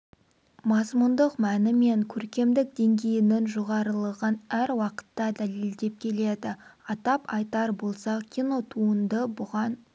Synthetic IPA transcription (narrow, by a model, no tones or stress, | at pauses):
mɑzmund̪əqmænɪme̞ŋkʲʰɵɾkʲe̞md̪ɪk̚d̪e̞ŋɡʲe̞jɪnɪnʒo̞ʁɑɾəlˠəʁənæɾwɑqə̥t̪ːɑd̪æle̞ld̪e̞p̚kʲʰe̞le̞d̪ɪɑt̪ɑpɑjt̪ɑɾbo̞lˠsɑkʲʰijno̞t̪ʰuənd̪əbʊʁɑn